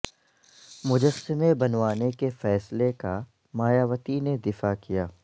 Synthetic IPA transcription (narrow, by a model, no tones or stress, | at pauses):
mʊd͡ʒəsːɪmẽbɐnʋaːnekefɛːsleka | maːjaːʋət̪ined̪ɪfakijaː